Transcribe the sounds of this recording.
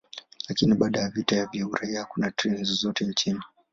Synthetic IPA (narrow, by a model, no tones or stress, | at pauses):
lakiniɓaːɗajavitajavjauɾaiakunatɾɛnzzɔtɛnt͡ʃini